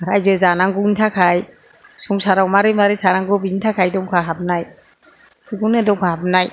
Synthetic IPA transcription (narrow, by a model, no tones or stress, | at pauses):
aɾajzɯzanaŋɡuntʰakʰaj | suŋsaɾawmaɾɯmaɾetʰaɾaŋɡɯbintʰakʰajdɔŋkʰaɦap̚naj | kʰɯɡunɯdɔŋkʰaɦap̚naj